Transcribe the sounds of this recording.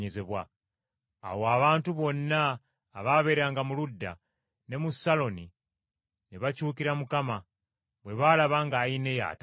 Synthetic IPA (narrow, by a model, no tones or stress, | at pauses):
eze̞βwa̰ː | woaβaːntuβo̞nːaː | βaβe̞ɾaŋɡamuludːa̰ | ne̞musːalo̞ni | neβacuːkiɾamukama | βwe̞βalaβaŋɡaine̞ja̰ːt